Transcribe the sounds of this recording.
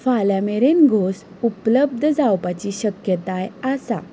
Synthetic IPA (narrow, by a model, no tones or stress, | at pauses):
faljameɾenɡʱos | upləb̚d̪ʱd͡zawpat͡ɕiːɕəkjət̪ajasa